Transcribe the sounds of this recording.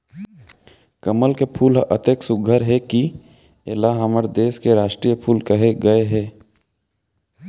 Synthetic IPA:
kəməlkepʰuːlə̰t̪eksʊɡʱəɾɦɛki | elaɦaməɾd̪eːskeɾaːʃʈɾiːjəpʰuːlkəɦeɡəeɦɛː

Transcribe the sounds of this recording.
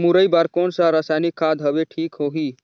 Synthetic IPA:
muɾəjbaɾkoːnsə̃ɾəsajnikʰːad̪ɦəbeʈʰikɦoɦi

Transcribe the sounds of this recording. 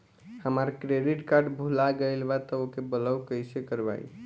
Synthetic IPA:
həmaɾkɾeɖiʈkaɾɖbʱulaɡəjlbat̪ɔokebələwkəjsekəɾba̰j̰

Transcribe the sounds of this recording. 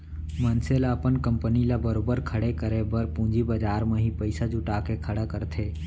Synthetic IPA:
mənselaəpənkə̃mpənilabəɾoːbəɾkʰəɽekəɾebəɾpũːd͡ʒibəd͡ʒaːɾmẽɦipəɪsad͡ʒʊʈaːkekʰəɽakəɾt̪ʰeː

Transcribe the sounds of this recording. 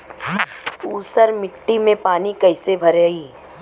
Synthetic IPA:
uːsəɾmɪʈːimẽpaːnikɐɦɪsebʱɐɾəiː

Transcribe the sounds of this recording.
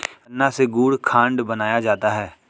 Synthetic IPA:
nːaseɡuːɽkʰãːɳɖbɐnaːjad͡ʒaːt̪aɦɛː

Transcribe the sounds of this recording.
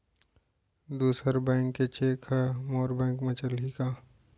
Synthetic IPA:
d̪uːsəɾbɛ̃ːŋkːet͡ʃeːkɦɛmoːɾbɛ̃ːŋkmɐ̃t͡ʃəlikaː

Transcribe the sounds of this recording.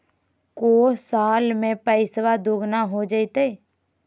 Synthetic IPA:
koːsaːlmẽpəɪswad̪ʊɡnaɦod͡ʒəit̪e

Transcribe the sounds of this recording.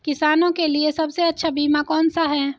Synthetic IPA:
kɪsaːnõkeliesɐbseɐtːʃʰabiːmakɔːnsaɦɛː

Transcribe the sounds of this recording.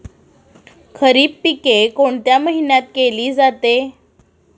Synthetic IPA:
kʰəɾiːppikekoɳt̪jaməɦinjat̪̚keliːd͡zat̪e

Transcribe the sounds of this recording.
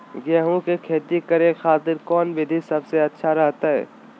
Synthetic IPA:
ɡɛːɦũkekʰeːt̪ikɐɾẽxaːt̪ɪɾkɔːnbɪd̪ʱisɐbseɐtːʃʰaɾɐɦt̪aɦɛ̰ː

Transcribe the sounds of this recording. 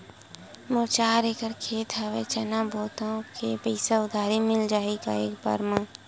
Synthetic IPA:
mʊɾt͡ʃaːɾeːkəɾkʰeːt̪ɦaʋet͡ʃɐnabɔːt̪õkʰepɛɪsaʊd̪ʱaːɾimɪld͡ʒaːika̰ḛːkba̰ɾmãː

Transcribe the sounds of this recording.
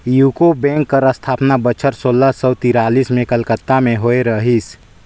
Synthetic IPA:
juːkobɛ̃ːŋkːəɾəst̪ʰaːpnabət͡ʃʰəɾsoːlːasəːt̪iɾaːliːsmẽkəlkət̪ːamẽɦoeɾəɦis

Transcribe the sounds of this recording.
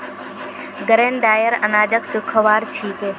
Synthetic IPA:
ɡəɾẽːnɖaːjəɾə̰naːd͡ʒəksʊkʰəʋaːɾt͡ʃʰiːke

